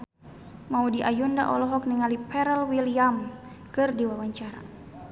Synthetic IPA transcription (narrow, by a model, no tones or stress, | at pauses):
maudiʔajunda̰ʔɔ̰lɔɦɔk̚niŋalipɛɾɛlwiliam | kɨrdiwawaɲt͡ʃaɾa̰